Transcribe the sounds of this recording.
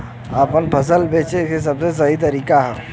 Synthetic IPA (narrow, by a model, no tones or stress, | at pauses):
aːpənpʰəs̬əlbʱeːt͡ʃekes̬ɐbses̬ɐɦit̪̬əɾiːkaɦɛː